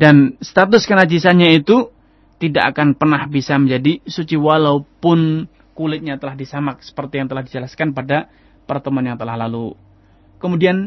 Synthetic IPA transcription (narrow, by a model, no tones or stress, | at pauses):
danst̪at̪ʊskənad͡ʒisaɲait̪u | t̪idaʔakanpərnahbisaməɲd͡ʒadisut͡ʃiwalaupʊn | kulɪt̪̚ɲat̪əlahdisamak̚sə̥pərt̪ijaŋt̪əlahdid͡ʒəlaskanpada | pərt̪əmuanjaŋt̪ərlahlalu | kəmudian